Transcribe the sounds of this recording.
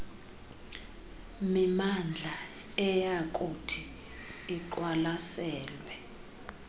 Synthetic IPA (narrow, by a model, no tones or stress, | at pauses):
mimand͡ɮʱa | ɛjakʼutʰiː | ǃwalasɛːlwɛ